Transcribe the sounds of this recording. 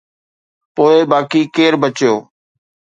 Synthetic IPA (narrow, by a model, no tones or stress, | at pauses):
poːebaːkiːkeːɾbət͡ʃjoː